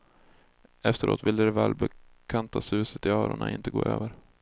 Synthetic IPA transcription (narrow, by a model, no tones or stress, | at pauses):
ɛft̪əɾo̰ːt̪vɪld̪əd̪ɛvɛːlbɛkʰant̪asʉ̟ːsət̪ɪɑːɾʊɳaʔɪnt̪əɡoːʔøːvəɾ